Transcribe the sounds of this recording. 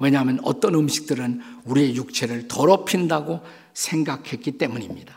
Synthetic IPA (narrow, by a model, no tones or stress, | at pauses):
we̞ɲamjʌnʌ̰t͈ʌnɯmɕʰi̥k̚t͈ɯɾɯnuɾie̞juk̚t͡ɕʰe̞ɾɯɭtʌɾʌpʰindaɡo | sʰe̞ŋɡakʰhe̞k̚k͈it͈e̞muɲimɲid̥a